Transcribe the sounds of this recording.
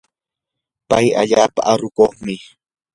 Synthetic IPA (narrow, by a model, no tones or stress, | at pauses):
paja̰ʎaːpa̰ʔaɾʊkoχmɪ